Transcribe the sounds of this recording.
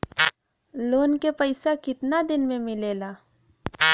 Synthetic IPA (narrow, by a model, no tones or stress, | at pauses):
loːnkepəɪsakɪt̪nad̪ɪnmẽmɪleːlaː